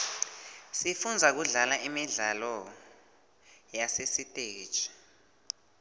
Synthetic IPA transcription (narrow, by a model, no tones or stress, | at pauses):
sifund͡zʱak̬uɮalaʔimiɮalɔ | jasesitʼe̥ːt͡ʃʰʼi̥